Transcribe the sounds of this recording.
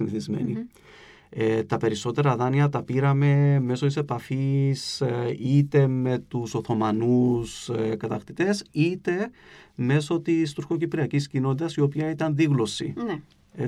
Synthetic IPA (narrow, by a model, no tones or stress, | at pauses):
inθizmḛnḭ | et̪ɐpe̞ɾiso̞t̪e̞ɾɐðɐniɐt̪ɐpiɾɐme̞me̞so̞t̪ise̞pɐfisit̪e̞me̞t̪uso̞θo̞mɐnuskɐt̪ɐxt̪it̪e̞sit̪e̞ | me̞so̞t̪ist̪uɾxo̞cipɾiɐciscino̞t̪it̪ɐsio̞piɐit̪ɐnðiɣlo̞sḭ | e